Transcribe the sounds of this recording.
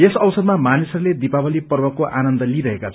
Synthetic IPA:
esʌwsʌd̪mamanisʌruled̪ipabʌlipʌrwʌkːoʔanʌnd̪ʌliɾʌɦekat͡sʰ

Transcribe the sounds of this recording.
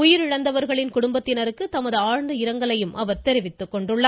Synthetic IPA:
ʊjɪɾɪɻɐnd̪ɐʋɐɾɣɐɭɪnkʊɽʊmbɐt̪ːɪnɐɾɯkːɯt̪ɐmɐðɯaːɻnd̪ɐɪɾɐŋɡɐɭɐjɯmʔɐʋɐɾt̪ɛɾɪʋɪt̪ːɯkːɔɳɖɯɭːaː

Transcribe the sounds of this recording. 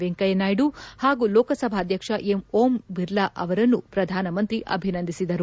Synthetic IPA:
ʋeŋkɐjɐnaːjɖuhaːɡuːlɔːkɐsɐbʱaːd̪ʱjɐkʂɐʔemoːmʋiɾlɐʔɐʋɐɾɐnːupɾɐd̪ʱaːnɐmɐnt̪ɾiʔɐ̰bʱinɐnd̪ʱisid̪ɐɾu

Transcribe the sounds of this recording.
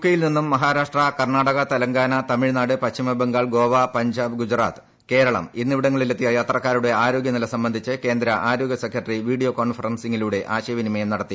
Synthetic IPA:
ukːɐjilninːumːɐɦaːɾaːʂʈrɐkɐrɳaːɽɐɣɐt̪ɐlɐŋɡaːnɐt̪ɐmiɻnaːɽɨpɐtɕimɐbeŋɡaːɭɡo̞ːʋɐpɐɲd͡ʑaːbɨɡud͡ʑra̰ːt̪ɨ̥ | ke̞ːɾɐɭɐ̰minːiʋiɽɐŋːɐɭilet̪ːijɐjaːt̪rɐkːaːɾuɽe̞aːɾo̞ːɡjɐnilɐsɐmbɐnd̪ʱit͡ɕːɨke̞ːnd̪ɾɐʔaːɾo̞ːɡʲjɐsekɾɐʈːɐriʋiːɽijo̞ːko̞ːɳfɐrɐnsiŋːiluːɽe̞ʔaːɕɐjɐʋinimɐjɐmnɐɽɐt̪ːi

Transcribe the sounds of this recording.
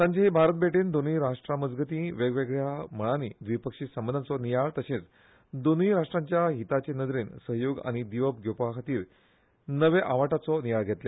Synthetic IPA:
t̪ãɲt͡ɕaɦibʱaɾət̪̚beʈiːnd̪oniːɾaʂʈɾaməd͡zɡət̪ĩʋeɡʋeɡɭjaməɭañiːd̪ʋipəkʂiːsəmbənd̪at͡sɔnijaɭt̪əɕẽt͡s | d̪oniːɾaʂʈɾãɲt͡ɕjaɦit̪at͡ɕenəd̪ɾiːnsəɦjoɡa̰ɽ̃id̪iʋəp̚ɡʱjowpakʰat̪iːɾ | nəʋeʔaʋaʈat͡sɔnijaɭɡʱet̪lje

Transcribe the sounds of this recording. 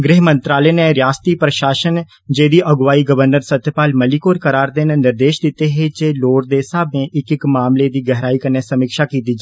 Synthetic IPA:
ɡɾɪɦmə̃nt̪ɾaːleːnẽɾjaːst̪iːpɾəʃaːʃən | d͡ʒeːd̪iːʔəɡʋaːiːɡəʋəɾnəɾsət̪jpaːlməlikoːɾkəɾaːɾd̪eːnenɪɾd̪eːʃd̪ɪt̪eɦeːd͡ʒeːloːɾd̪eːsaːbẽːʔɪkɪkmaːmled̪iːɡɛɦɾaːikəɾneːsəmɪːkʃaːkiːt̪iːd͡ʒ

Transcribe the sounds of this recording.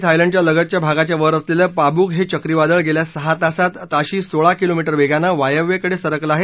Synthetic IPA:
t̪ʰajləɳɖ̚t͡ɕjaləɡət̪t͡ɕjabʱaɡat͡ɕjaʋəɾəsleləːpabuːkɦet͡ɕəkɾiʋad̪əɭɡeljasəɦat̪asat̪aɕiːsoɭakilomiʈəɾʋeɡjanaʋajəʋːekəɽesəɾəkləaɦe

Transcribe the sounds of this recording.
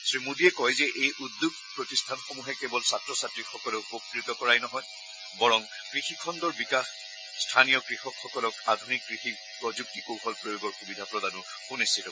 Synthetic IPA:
sɹimudiɛkɔjzɛʔejʔud̪ːob̚pɹɔtistʰanxomuɦɛkɛbɔlsatɹɔsatɹixɔkɔlɛpokɹitɔkɔɹajnɔɦɔj | bɔɹɔm | kɹixikʰɔndɔɹbikax | stʰanijɔkɹixɔkxɔkɔlɔkadʱunikːɹixi | pɔzuk̚tikowxɔlpɹojoɡɔɹxubidʱapɹɔdanʊ | xunistʰitɔ

